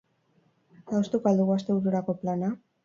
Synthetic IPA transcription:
t̪awst̪ukoald̪uɣuast̪e̞uɾuɾako̞plana

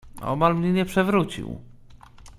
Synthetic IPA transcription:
ɔ̰malmɲɛɲɛpʂɛvɾut͡ɕḭw

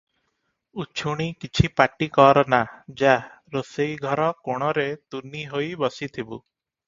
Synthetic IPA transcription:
ut͡ʃʰuɽ̃ikit͡ʃʰipaʈikɔɾɔnad͡ʒa | ɾosejɡʱɔɾɔkoɽ̃ɔɾet̪unːiɦojbɔsit̪ʰibu

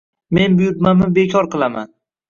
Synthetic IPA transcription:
me̞nbʊjʊɾmamɪbekʲʰɒɾqɨlˠama̰n

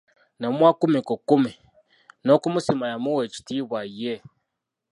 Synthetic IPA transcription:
nomwakumikukumi | nokumusimajamuwet͡ʃi̥tiβwaje

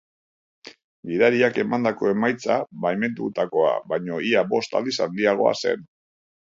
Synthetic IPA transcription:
ɡiðaɾiake̞mand̪ako̞e̞majt͡saβajme̞nt̪ut̪ako̞a̰βajɲo̞iabo̞st̪a̰ld̪isand̪iaɣ̞o̞̰a̰se̞̰n

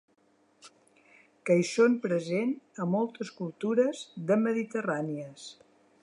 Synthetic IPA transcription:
kəisompɾəzenəmɔlˠt̪əskulˠt̪uɾəzðəməðit̪əraniəs

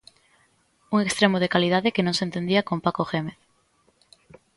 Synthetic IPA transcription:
uŋekst̪ɾemoðekaliðaðɪkenõŋsẽnt̪end̪iakompakoxemeθ

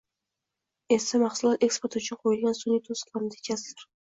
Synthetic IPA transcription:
e̞samɑχsʊlˠɒt̪e̞kspoɾt̪ʊt͡ʃʰʊnqʰojɪlˠɡʲansʊnit̪ʰosɨ̥qlˠaɾɪnd̪aet͡ʃʰazd̪ɪɾ

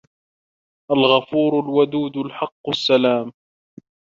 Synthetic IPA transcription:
ʔalɣɑfuːɾʊlwad̪uːd̪ʊlħɑqːsːalaːm

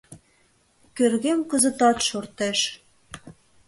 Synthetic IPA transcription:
kørɣemkə̆zə̆t̪ɑt̪ʃort̪eʃ

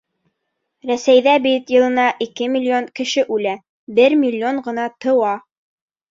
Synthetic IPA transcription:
ɾæsæjðæbit̪jɤ̆lˠɤ̆nɑʔikɘmʲilʲːionkɘ̆ʃɘʔʉlæ | bɘɾmʲilʲːioɴɢɤ̆nɑt̪ɤ̆wɑ

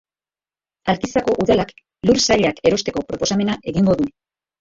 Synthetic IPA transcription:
alkisako̞ʔuðalak | luɾsaʎake̞ɾo̞st̪e̞ko̞pɾo̞po̞same̞naʔe̞ɣiŋɡo̞ðu

